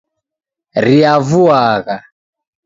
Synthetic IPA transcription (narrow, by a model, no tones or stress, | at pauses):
ɾiavuaɣa